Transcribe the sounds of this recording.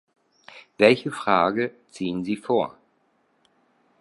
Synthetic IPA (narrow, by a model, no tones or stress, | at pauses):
vɛlçəfʁ̥aːɡə | t͡siːənziːfoːɐ